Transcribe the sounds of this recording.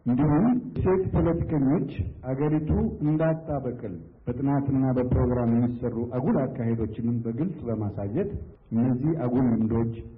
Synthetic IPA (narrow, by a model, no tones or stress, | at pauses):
ʔɨnd̪ihumse̞t̪pʰo̞lət̪ʰi̥kʰəɲːo̞t͡ʃːʔaɡəɾit̪ʰuɨnd̪at̪ʼːaβəkʼɨl | b̥ət̪ʼɨnat̪ʰɨnːabəpɾo̞ɡɾamjɛmːisərːuʔaɡulakːaɦe̞d̪o̞t͡ʃːɪnɨmbəɡɨlsʼbəmasajːɛt̪ | ʔɨnːəzːihaɡulwɨnd̪o̞t͡ʃː